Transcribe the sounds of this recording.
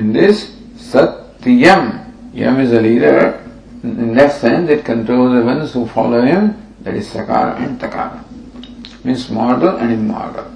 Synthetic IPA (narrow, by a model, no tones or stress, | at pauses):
ɪ̃nd̪ɪsː | ʌt̪ː | jəmjʌ̰̃mɪzəliːɖə̰ɾ | ɪ̃nd̪æʈsɛ̃nsɪʈ̚kə̃ɳʈɾoːlzəʋʌ̃nshufɔ̰ːloːɦɪ̃m | d̪æ̰ʈiz̥sɐka̰ːɾ̰ʔɛ̰̃ɳɖt̪ɐka̰ːɾ | mĩnsmɔːɾɖəlɛ̃ɳɪ̃nmːɔ̰ːɾɖə̰l